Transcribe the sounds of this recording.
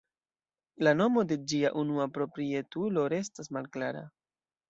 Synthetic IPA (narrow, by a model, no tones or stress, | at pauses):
lano̞mo̞de̞d͡ʒiaʔunuapɾo̞pɾie̞tulo̞ɾe̞stasmalklaɾa̰